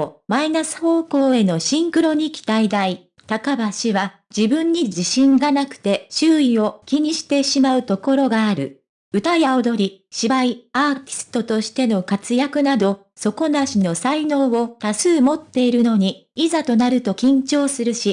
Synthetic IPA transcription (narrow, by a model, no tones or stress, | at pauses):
mainasɨ̥ho̞ːko̞ːe̞no̞ɕĩŋkɯ̟ɾo̞ɲ̟ikʲi̥t̪aid̪ai | t̪akabaɕiβa | d͡ʑibɯ̟̃ɲ̟ːid͡ʑiɕĩŋɡanakɯ̟̥t̪e̞ɕɨːio̞kʲiɲ̟iɕi̥t̪e̞ɕimaɯ̟t̪o̞ko̞ɾo̞ɡaːɾɯ̟ | ɯ̟t̪ajaod̪o̞ɾʲiɕibaiaːt̪ʲi̥sɨ̥t̪o̞t̪o̞ɕi̥t̪e̞no̞kat͡sɨjakɯ̟nad̪o̞ | so̞ko̞naɕino̞saino̞ːβo̞t̪asɨːmo̞t̪ːe̞iɾɯ̟no̞ɲ̟i | izat̪o̞naɾɯ̟t̪o̞kʲĩɲ̟t͡ɕo̞ːsɨɾɯ̟ɕi